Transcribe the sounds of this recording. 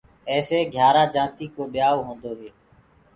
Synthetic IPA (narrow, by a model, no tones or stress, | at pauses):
ɛːseːɡʱjaːɾaːd͡ʒãːt̪iːkoːɓɪjaːʋɦõːnd̪oːɦeː